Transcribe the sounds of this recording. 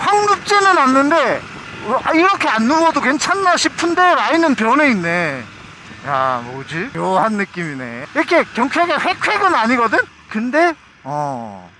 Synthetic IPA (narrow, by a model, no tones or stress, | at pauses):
ɸwaŋɡɯp̚t͡ɕ͈enɯnanːɯnde̞ | aiɾʌkʰe̞anːuʌdokwe̞nt͡ɕʰanːaɕʰipʰɯnde̞ɾainɯnpjʌne̞inːe̞ | ja̰mod͡ʑijʌhanːɯk͈imine̞̰iɾʌkʰe̞kjʌŋt͡ɕʰweɡeɸe̞kʰwe̞ɡɯnaɲiɡʌdɯn | kɯnde̞ | ʌ